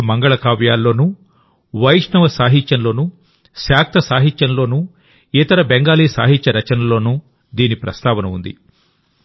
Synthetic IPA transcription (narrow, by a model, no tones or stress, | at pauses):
mɐŋɡɐɭɐkaːʋjaːlːo̞ːnu | ʋɐjʂnɐʋɐsaːɦiɲt͡ʃːɐnlo̞ːnu | ʃjaːk̚t̪ʰɐsaːɦiɲt͡ʃːɐnlo̞ːnu | it̪ɐɾɐbeŋɡaːliːsa̰ːɦiɲt͡ʃːɐɾɐt͡ʃɐnɐlo̞ːnu | d̪iːnipɾɐst̪aːʋɐnɐund̪ḭ